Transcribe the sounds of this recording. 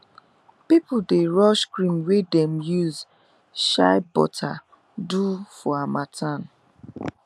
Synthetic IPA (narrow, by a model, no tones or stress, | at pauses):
pipʊdeɹɔʃkɹĩmwedɛmjuz | ʃa̰ɪbɔ̰tʰa̰ | dufɔamatʰãn